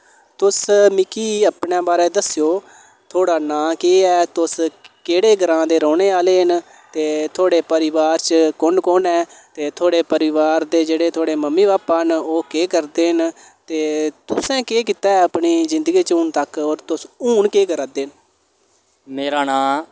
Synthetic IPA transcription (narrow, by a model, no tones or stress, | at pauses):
t̪ʊsmɪkiːəpɳẽːbaːɾeːd̪əsjoː | t̪ʰoːɽaːnãːkeːɛːt̪ʊskeːɽeːɡʱəɾãːd̪eːɾɔːneːaːleːɦən | t̪eːt̪ʰoːɽeːpəɾɪʋaːɾt͡ʃkʊɳkoːnɛːt̪eːt̪ʰoːɽeːpəɾɪʋaːɾd̪eːd͡ʒeːɽeːt̪ʰoːɽeːməmːiːbaːpaːənoːkeːkəɾd̪eːɦən | t̪eːt̪ʊsɛ̃ːkeːk̬ɪt̪ɛːəpɳiːzɪ̃nd̪əɡiːt͡ʃuːnt̪əkoːɾt̪ʊsuːnkeːkəɾaːd̪eːn | meːɾaːnãː